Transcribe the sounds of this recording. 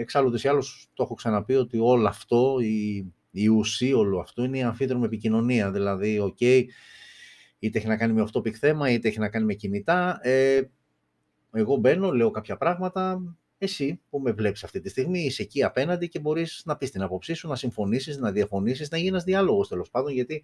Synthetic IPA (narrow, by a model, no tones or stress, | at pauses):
eksɐlud̪esiɐlost̪o̞xo̞ksɐnɐpio̞t̪io̞lɐːft̪o̞i | iusio̞loɐft̪oineiɐɱfiðɾomepicino̞niɐðilɐðio̞ce̞i | it̪eeçinɐkɐnimeoft̪o̞pikθe̞mɐit̪eeçinɐkɐnime̞cinit̪ɐe | e̞ɣo̞be̞no̞le̞okɐpçɐpɾɐɣmɐt̪ɐ | e̞sipume̞vle̞pi̥sɐft̪it̪ist̪iɣmise̞ciɐpe̞nɐnd̪ice̞bo̞ɾisnɐpist̪inɐpo̞psisunɐsiɱfo̞nisiznɐðiɐfo̞nisiznɐʝinenɐzðiɐlo̞ɣo̞st̪elo̞spɐnd̪o̞nʝɐt̪i